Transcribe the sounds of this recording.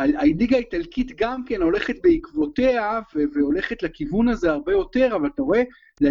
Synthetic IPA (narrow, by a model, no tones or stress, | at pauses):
aaidiɡaitalkit̪ɡamke̞no̞le̞χet̪̚beikvo̞te̞aveveo̞le̞χet̪lakivunaze̞aʁbejo̞te̞ʁavalat̪aoe̞ | le